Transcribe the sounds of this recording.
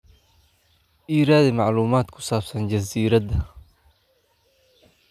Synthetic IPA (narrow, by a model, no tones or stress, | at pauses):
ʔiːɾaːðɪmɑʕluːmaːd̪kʰʊ̥saːbsɐnd͡ʒɐziːɾɐd̪ɐ